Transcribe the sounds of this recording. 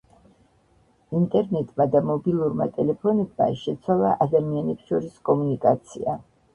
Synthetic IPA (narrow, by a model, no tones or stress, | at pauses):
int̪ʼɛɾnɛt̪ʼmad̪amɔbilˠuɾma̰t̪ʼɛlɛpʰɔnɛb̚ma̰ʃɛt̪sʰwalˠaʔad̪amianɛpsʃɔɾiskʼɔmunikʼat̪sʰḭa